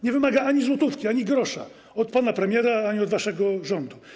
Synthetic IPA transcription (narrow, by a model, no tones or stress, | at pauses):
ɲɛvɘmaɡaaɲizwɔt̪ufkʲiaɲiɡɾɔʂa̰ | ɔt̪panapɾɛmʲjɛɾaaɲiɔd̪vaʂɛɡɔʐɔnd̪u